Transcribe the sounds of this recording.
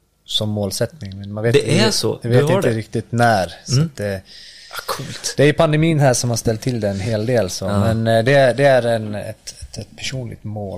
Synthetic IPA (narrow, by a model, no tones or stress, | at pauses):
sɔmːoːlsɛt̪nɪŋmɛnmanveːtdɛɛsɔ̰d̪ɛveːt̪ɪnd̪əɾɪkt̪ɪt̪næːɾsɔt̪̚d̪ɛ | kʰult̪d̪ɛæɾjɵpʰand̪ɛmiːnɦæːʂɔmhaʂst̪ɛlt̪ʰːɪld̪ɛnnɦeːld̪eːlsɔmɛnd̪ɛd̪ɛæɾɛnɛ̰t̪ɛt̪ɛt̪pʰæʂuːnlɪ̰ɡ̚t̪moːl